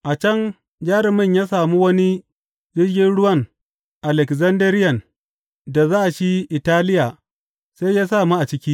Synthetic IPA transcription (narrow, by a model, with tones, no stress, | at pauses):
ʔa˨t͡ʃɐ˦ŋ | d͡ʒaː˦ɾɪ˨mɪ˦˨ɲjaː˦saː˨mu˦wɐ˦ni˦ | d͡ʒɪ˦ɡʲɪ˦nɽʊ˦wɐ˦˨ŋ | ʔa˨lɛ˨kzɐ˦ndɐ˦ɾɪ˦jɐ˨n | da˨zaː˦ʔa˨ʃi˦ʔɪ˨taː˦lɪ˦jaː˨ | se˦jjaː˦saː˨mu˦ʔa˨t͡ʃɪ˦kʲiː˦